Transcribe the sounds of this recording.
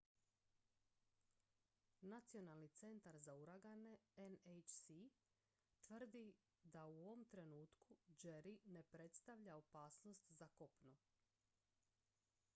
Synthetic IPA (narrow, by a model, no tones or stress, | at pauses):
nat̪sijo̞nalnit̪se̞nt̪aɾzauɾaɡane̞enejt͡ʃsi | t̪ʋr̩d̪i | d̪auoʋomt̪ɾe̞nuːt̪kud͡ʒeɾine̞pɾe̞t̪st̪aʋʎaopaːsno̞st̪zakopnu